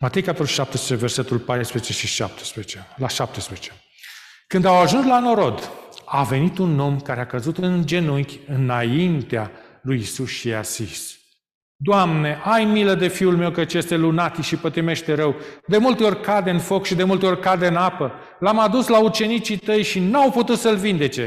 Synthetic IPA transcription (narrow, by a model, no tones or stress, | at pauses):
mat̪ejkapt̪oɾuʃʃap̚t̪espet͡ʃeve̞rse̞t̪ulpajspɾeet͡ʃe̞ʃiʃa̰p̚t̪e̥speet͡ʃelaʃap̚t̪espɾeet͡ʃe̞ | kɨnd̪awaʒunslano̞ɾo̞d̪ave̞nit̪uno̞mkaɾeakəzut̪ɨnd͡ʒe̞nuŋkʲɨnaint̪ealujisusiasḭs | d̪oamne̞ʔajmiləd̪e̞fiulme̞wkət͡ʃjest̪e̞lunat̪ʃipət̪ɾime̞ʃt̪e̞ɾəwd̪e̞mult̪e̞o̞rʲkad̪e̞ɨnfo̞kʃid̪e̞mult̪eo̞rʲkad̪e̞ɨnapə | lamad̪uslaut͡ʃe̞nit͡ʃit̪əjʃinawput̪ut̪səlvind̪e̞t͡ʃe̞